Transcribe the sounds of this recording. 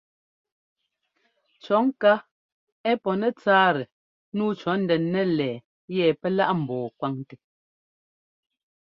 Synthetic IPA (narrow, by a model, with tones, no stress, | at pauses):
t͡ʃɔ˨˦ŋ̩˦ka˦ | ɛ˦pɔ˨nɛ˦t͡saː˦ɾɛ˨ | nuː˦t͡ʃɔ˨˦n̩˦dɛ˨nːɛ˦lɛː˨ | jɛ˨pɛ˦la˦ʔm̩˨bɔː˨kwa˦ŋte˨